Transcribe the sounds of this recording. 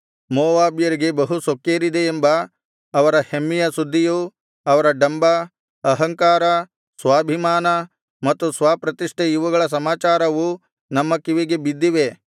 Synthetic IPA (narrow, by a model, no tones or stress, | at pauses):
mɔːʋaːbijɐɾiɡe̞bɐɦusokːeːɾid̪eːmbɐː | ʋɐɾɐhemːijɐsud̪ʱːiju | ɐʋɐɾɐɖɐmbɐ | ɐɦɐŋkaːɾɐ | sʋaːbʱimaːnɐ | mɐt̪ːusʋaːpɾɐt̪iʂʈʰeiʋɐɡɐɭɐs̬ɐmaːt͡ʃaːɾɐʋu | nɐmːɐkːiʋiɡebid̪ːiʋe̞